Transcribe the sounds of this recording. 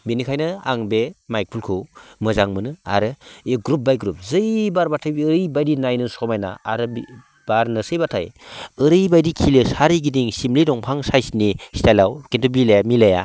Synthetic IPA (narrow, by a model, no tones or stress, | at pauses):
binikʰajnɯaŋbemajk̚pʰulkʰumɯzaŋmɯnɯa̰ɾɯeɡɾup̚bajɡɾup̚zɯjbaɾbatʰajɯɾɯjbajdinajnɯsɔmajna̰a̰ɾɯ | b̥aɾnɯsɯjbatʰajɯɾɯjbajdikʰilɯsaɾiɡidiŋsimlidɔŋpʰaŋsajsnisi̥tajlawkintʰubilajamilaja̰